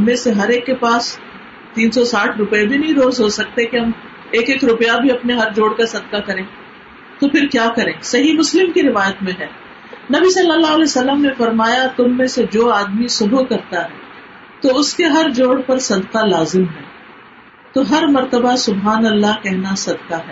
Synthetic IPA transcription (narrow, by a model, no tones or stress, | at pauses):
ɦɐmːẽseɦɐɾeːkːepaːs | t̪iːnsɔsaːʈʰɾʊpebʱinɐɦĩɾoːzɦosɐk̚t̪ekiɦɐm | eːkeːkɾʊpjabʱiɐpneɦɐɾd͡ʒoːɽkasɐd̪qakɐɾẽː | t̪opʰɪɾkjaːkɐɾẽːsɐɦimʊslɪmkiɾɪʋaːjət̪mẽɦɛː | nɐbisɐlːəlːaɦɐlɛsɐlːəmnefɐɾmaːjat̪ʊmːẽsed͡ʒoːaːd̪misʊbʱukɐɾt̪aɦɛː | t̪oʊskeɦɐɾd͡ʒoːɽpɐɾsɐd̪qalaːzɪmɦɛː | t̪oɦɐɾmɐɾt̪əbasʊbɦaːnɐlːakɛɦnasɐd̪qaɦɛː